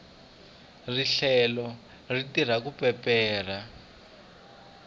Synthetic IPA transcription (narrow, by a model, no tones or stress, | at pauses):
riɬɛlɔ | ritir̤akupɛpɛːr̤a